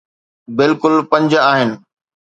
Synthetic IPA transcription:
bɪlkʊlpɐ̃ɲd͡ʑaːɦɪnɪ̆

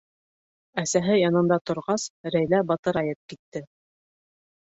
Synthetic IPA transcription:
æsæɦɘjɑnɤ̆nd̪ɑt̪ŏɾʁɑsɾæjlæbɑt̪ɤ̆ɾɑjɤt̪̚kit̪ːɘ

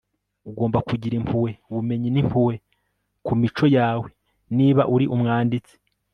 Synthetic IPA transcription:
uɡo̞ːmbakuɟiɾimpʰuwe̞uβume̞ɲinim̥pʰuwe | kumit͡ʃo̞jaːwe̞ | niːβaʔuɾiʔumŋaːndit͡se̥

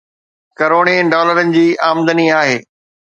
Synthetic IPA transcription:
kɐɾoːɽ̃eɖɔːləɾənɪ̆d͡ʑiːaːmd̪əniaːɦeː

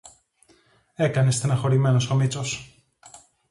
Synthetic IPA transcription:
e̞kɐnest̪enɐxo̞ɾime̞noso̞mit͡so̞s

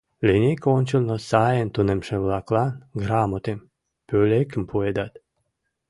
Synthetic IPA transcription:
lʲenʲekonʲt͡ɕəlnosɑjent̪unemʃĕβlɑklɑnɡɾɑmot̪em | pølekə̆mpʰued̪ɑt̪

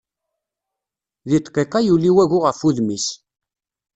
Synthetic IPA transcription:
ðit̪ˤqːeqɑjuliwæʝʊʁəfuðmis

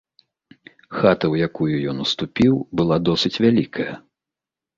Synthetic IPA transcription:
xat̪ɐwjakujujɔnust̪upʲiwbɨlˠad̪ɔsɨt͡sʲvʲalʲikʰɐjɐ̰

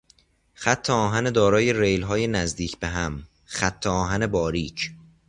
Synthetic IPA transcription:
xæt̪ʰːeɒːɦæned̪ɒːɾɒːje̞rejlɦɒːje̞næzd̪iːcʰbe̞ɦæm | xæt̪ʰːeɒːɦæne̞bɒːɾiːcʰ

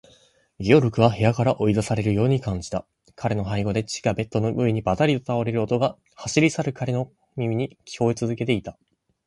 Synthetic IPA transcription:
ɡʲio̞ɾɯ̟kɯ̟βahe̞jakaɾaʔo̞id̪asaɾe̞ɾɯ̟jo̞ːɲ̟ikãɲ̟d͡ʑi̥t̪a | kʰaɾe̞no̞ɦaiɡo̞d̪e̞t͡ɕi̥ɡabe̞t̪ːo̞no̞ʔɯ̟eɲ̟ibat̪aɾʲiot̪aoɾe̞ɾɯo̞t̪o̞ɡa | haɕiɾʲisaɾɯ̟kʰaɾe̞no̞ | mʲimʲiɲ̟ikʲʰi̥ko̞et͡sɨzɨke̞t̪e̞it̪a

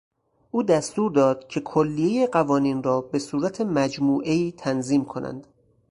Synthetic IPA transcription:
ʔuːd̪æst̪uːɾd̪ɒːd̪̥̚cʰe̞kʰolːijejeɢævɒːniːnrɒːbe̞suːɾæt̪ʰe̞mæd͡ʒmuːʔe̞iːt̪ʰænziːmkʰonʔæ̰nd̪

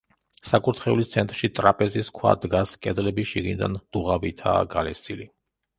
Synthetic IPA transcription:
sakʼuɾt̪ʰχɛulit̪sʰɛnt̪ʼɾʃit̪ʼɾapʼɛziskʰwa̰d̪ɡaskʼɛd̪lɛbiʃiɡinid̪a̰nd̪̥uʁavit̪ʰa̰ːɡalɛsili

